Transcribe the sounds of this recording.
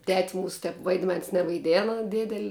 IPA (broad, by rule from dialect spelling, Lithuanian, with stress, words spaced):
tʲɛtʲsʲ ˈmuːsʊ ˈtʲɛp ʋɐɪdʲˈmʲɛns nʲɛʋɐɪˈdʲeːnɐ ˈdʲeːdʲɛlʲ